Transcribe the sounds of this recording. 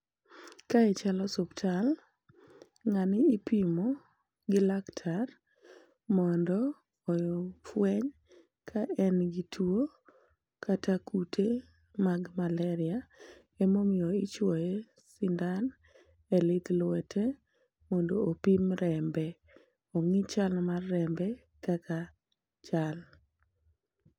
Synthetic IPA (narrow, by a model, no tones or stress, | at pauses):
kaɛt͡ʃalɔsɔptʰal | ŋanɪːpimo | ɡɪlaktʰar | mɔndɔː | jɔfwɛɲ | kʰaʔɛnɡitʰuwo | kʰatʰakʰutʰe | maɡmalɛɾɪa | emomɪɔɪt͡ʃwɔje | sindan | ɛlɪt̪lwɛtʰe | mondoːpimɾɛmbɛ | oŋit͡ʃalmarːɛmbɛ | kaka | t͡ʃal